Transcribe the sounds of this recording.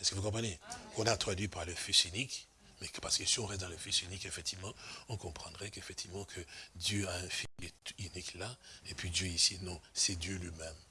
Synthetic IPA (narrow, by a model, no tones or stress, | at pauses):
ɛsə̥kəvukɔ̃pχənekɔ̃nat̪χad̪ɥipaʁləfisynik | mɛpaʁsə̥kəsiɔ̃ʁɛst̪̬d̪ɑ̃ləfisynikefɛkt̪ivmɑ̃ɔ̃kɔ̃pχɑ̃d̪ʁɛkefɛkt̪ivmɑ̃kʰəd̪jøaɛ̃filyniklaepɥid̪jøisinɔ̃sɛd̪jølɥimɛm